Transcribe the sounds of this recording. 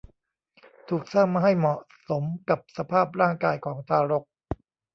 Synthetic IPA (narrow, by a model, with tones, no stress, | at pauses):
t̪ʰuː˨˩k̚saː˥˩ŋmːaː˧ɦa˥˩jmɔ˨˩ʔ | so˩˦mka˨˩p̚sa˧pʰaː˥˩p̚ɾaː˥˩ŋkaː˧jkʰɔː˩˦ŋt̪ʰaː˧ɾo˦˥k̚